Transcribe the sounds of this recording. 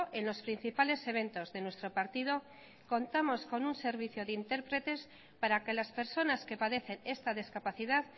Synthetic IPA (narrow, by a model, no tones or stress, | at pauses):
ʔe̞nlo̞spɾin̟θipale̞se̞β̞e̞nt̪o̞zðe̞nwe̞st̪ɾo̞paɾt̪ið̞o̞ | ko̞nt̪amo̞sko̞nunse̞ɾβ̞iθjoðint̪e̞ɾpɾe̞t̪e̞s | paɾake̞laspe̞ɾso̞naske̞paðe̞θe̞ne̞st̪aðiskapaθiðað